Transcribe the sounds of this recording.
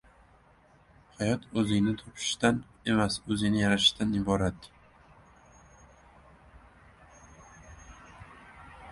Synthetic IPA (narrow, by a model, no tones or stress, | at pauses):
hajɒt̪ʰɵzɪŋnɪt̪ʰɒpʰɪ̥ʃt̪an | e̞masɵzɪŋnɪjaɾaʃɪ̥ʃt̪anɪbɒɾat̪ː